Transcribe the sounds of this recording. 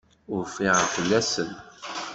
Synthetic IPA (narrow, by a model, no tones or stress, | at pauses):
ʊɾfiʁəfəlːæsən